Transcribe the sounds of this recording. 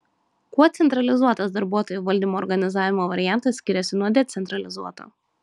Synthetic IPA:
kuɔt̪sʲɛnt̪ɾɐlʲɪzuɔt̪ɐsd̪ɐɾbuɔt̪oːjuʋɐlʲd̪ʲiːmoːɾɡɐnʲɪzɑːʋʲɪmoːʋɐɾʲɪjæˑnt̪ɐsʲkʲɪɾʲɛsʲɪnuɔd̪ʲɛt̪sʲɛnt̪ɾɐlʲɪzuɔt̪o̰ː

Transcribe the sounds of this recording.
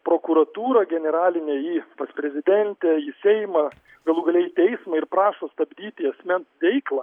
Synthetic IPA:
pɾoːkuɾɐt̪uːɾɐɡʲɛnʲɛɾɑːlʲɪnʲeːiːpɐspʲɾʲɛzʲɪd̪ʲɛnʲt̪ʲɛisʲɛɪmɐ | ɡɐlˠuːɡɐlʲɛɪt̪ʲɛɪsmɐɪɾpɾɑːʃoːst̪ɐbʲd̪ʲiːt̪ʲɪɐsʲmʲɛnsʋʲɛɪklˠɐ

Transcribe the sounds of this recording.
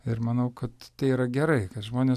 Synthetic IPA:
ɪrmɐnɐʊkɐt̪t̪ɐɪiɾɐɡʲɛɾɐɪkɐt̪ʒmoːnʲeː

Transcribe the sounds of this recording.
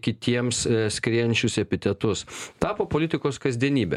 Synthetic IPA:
kʲɪt̪ʲiɛmssʲkɾʲiɛnʲt͡ʃʲʊsɛpʲɪt̪ʲɛt̪ʊst̪ɑːpoːpoːlʲɪt̪ʲɪkoːskɐzʲd̪ʲiɛnʲiːbʲɛ̰

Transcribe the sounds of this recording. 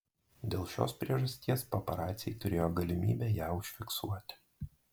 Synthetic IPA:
d̪ʲeːlˠʃʲo̰ːspʲɾʲiɛʒɐsʲt̪ʲiɛspɔpɐɾɑːt̪sʲjɛɪt̪ʊɾʲeːjoːɡɐlʲɪmʲḭːbʲɛːjæːʊʃʲfʲɪksuɔt̪ʲɪ̥

